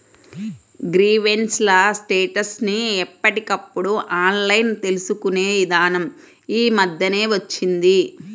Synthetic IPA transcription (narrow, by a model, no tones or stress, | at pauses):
ɡɾiːʋe̞nslɐsʈeːʈɐsniɛpːɐʈikɐpːuɽuʔaːnlɐjnt̪e̞lusukune̞ːʋid̪aːnɐm | iːmɐd̪jɐne̞ːʋɐt͡ʃːind̪i